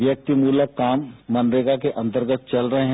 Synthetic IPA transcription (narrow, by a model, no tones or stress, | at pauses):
ʋjɐk̚t̪imuːləkaːmːɐnɾeːɡakeʔɐ̃nt̪əɾɡət̪̚t͡ʃɐlɾɐɦeɦ